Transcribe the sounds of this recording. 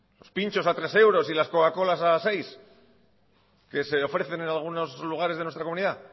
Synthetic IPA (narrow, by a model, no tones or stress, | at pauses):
lo̞spint͡ʃo̞sat̪ɾe̞se̞wɾo̞silaskokako̞lasase̞js | ke̞se̞o̞fɾe̞θe̞nenalɣ̞uno̞sluɣ̞aɾe̞zðe̞nwest̪ɾakouniða